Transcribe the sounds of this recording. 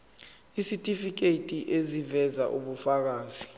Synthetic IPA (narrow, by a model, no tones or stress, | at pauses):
isitʼifik̬eitʼiʔezivɛzaʔuɓufak̬aːzi